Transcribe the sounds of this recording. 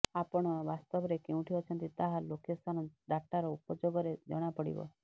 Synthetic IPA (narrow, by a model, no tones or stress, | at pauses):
apɔɽ̃ɔʋast̪ɔbɾekeũʈʰijot͡ʃʰənt̪it̪aɦalokest̪ʰanɔɖ̪aʈaɾɔupɔd͡ʒoɡɔɾed͡ʒɔɽ̃apəɽḭbɔ̰